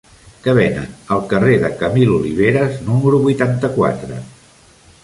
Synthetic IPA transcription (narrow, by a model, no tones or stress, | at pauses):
kəβ̞ɛnə̰nəlˠkəreðəkəmiluliβ̞eɾəznuməɾuβujt̪ant̪əkwa̰t̪ɾə